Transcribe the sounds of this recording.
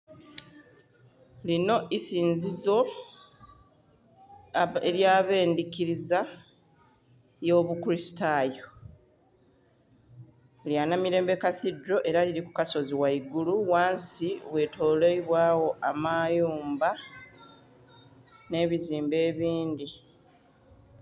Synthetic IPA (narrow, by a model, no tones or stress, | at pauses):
lino̞isiːnzizo̞ | eɾjaːβe̞ːndikiɾiza | jo̞ːβukuɾisi̥tajo̞ | ljanamiɾe̞ːmbekaθidɾo̞ʔe̞ɾaliɾiku̥kaso̞ziwaiɡuluwaːnsiβwe̞to̞ːleiβwaːwo̞ʔamajuːmba | ne̞ːβiziːmbe̞ːβiːndi